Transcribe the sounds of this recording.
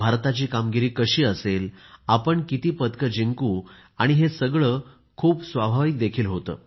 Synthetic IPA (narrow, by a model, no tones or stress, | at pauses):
bʱaɾt̪at͡ɕiːkamɡiɾiːkəɕiːəselapəɳkit̪iːpət̪kəd͡ʑiŋkuː | aɽ̃iɦesəɡɭəː | kʰuːpsʋabʱaʋik̚d̪ekʰiːlɦot̪ə̰ː